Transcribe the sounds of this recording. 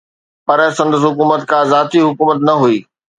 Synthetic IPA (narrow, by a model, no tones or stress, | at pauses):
pɐɾsɐ̃nd̪əs̬ɦʊkuːmət̪kʰãːzaːt̪iɦʊkuːmət̪nɐɦuiː